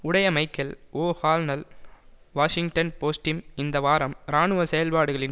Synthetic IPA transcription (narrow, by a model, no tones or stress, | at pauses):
ʊɽɐjɐmɐɪkːɐloːhaːlnɐl | ʋaːʂɪŋɡʈɐnpoːsʈɪmɪnd̪ɐʋaːɾɐmɾaːɳɯʋɐsɛjɐlpaːɽɯɣɐɭɪn